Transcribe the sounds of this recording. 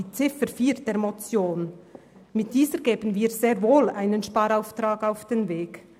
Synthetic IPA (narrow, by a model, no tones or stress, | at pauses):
iːt͡sɪfəɾfiːɾd̥eːɾmot͡sjoːn | mɪt̚d̥iːzəɾɡ̥eːbən̩viːɾz̥eːʁvoːlaɪnənʃpɑːɾaʊftraːɡaʊfd̥enveːɡ